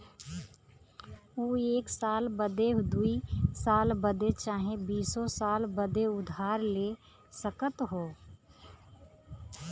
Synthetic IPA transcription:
uːeːksaːlbəd̪ed̪uisaːlbəd̪et͡ʃaːɦẽbiːsosaːlbəd̪eʊd̪ʱaːɾleː | səkət̪ɦoː

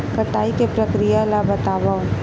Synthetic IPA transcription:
kɐʈaːikepɾɐkɾijalabət̪aːbao

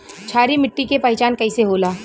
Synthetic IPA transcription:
t͡ʃʰaːɾimɪʈːikepɐɪt͡ʃaːnkɐiseɦoːlaː

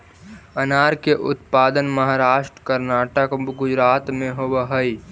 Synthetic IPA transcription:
ənaɾkeʔʊt̪paːd̪ənməɦaɾaːʃʈɾəkəɾnaʈəkɡʊd͡ʒɾat̪mẽɦobəɦəi

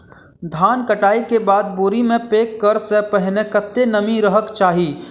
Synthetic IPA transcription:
d̪ʱaːnkɐʈaːikebaːd̪̚boːɾimẽpeːkːɐɾsepɛɦnekɐt̪ːenɐmĩɾəɦəkt͡ʃaːɦiː

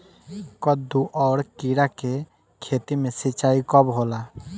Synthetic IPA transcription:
kɔd̪uʔɔɽkiɾake | kʰet̪imesit͡ʃajkɔbɦola

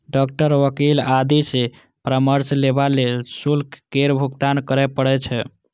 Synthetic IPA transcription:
ɖɔk̚ʈəɾʋəkilad̪ise | pɾəməɾslebalelsulkkeɾbʱuɡt̪ankəɾɛpəɽɛt͡ʃʰɛ

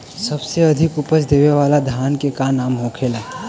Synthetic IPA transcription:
səbseɐd̪ʱɪkʊpəsd̪eːʋeʋaːlad̪ʱjaːnkekanaːmɦõːkʰelaː

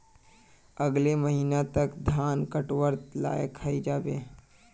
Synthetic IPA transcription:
əɡleməɦiːnat̪əkd̪ʱaːnkəʈwəɾt̪la̰ːjekʰːaid͡ʒaːbeː

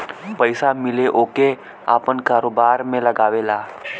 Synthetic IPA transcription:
pəjsamɪleʔoːke | a̰pənkaːɾobaːɾmẽləɡaːʋelaː

